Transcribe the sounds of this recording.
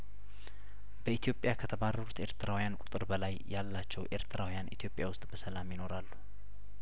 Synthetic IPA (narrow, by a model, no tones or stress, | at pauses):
bəit̪ʰijo̞pʼjakʰət̪ʰəβarːəɾut̪e̞ɾt̪ʰɨɾawjankʼu̥t̪ʼɨɾbəlajːalːat͡ʃːɛwʔe̞̰ɾt̪ʰɨɾʔawjanʔḭt̪ʰijo̞pʼjawʊst̪ʼbəsəlamjɪno̞ɾalːu